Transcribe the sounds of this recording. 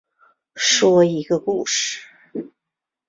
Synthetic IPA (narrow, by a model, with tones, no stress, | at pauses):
ʂwɔ˥i˧˥ɡə˧ku˥˨ʂɨ̥˨˩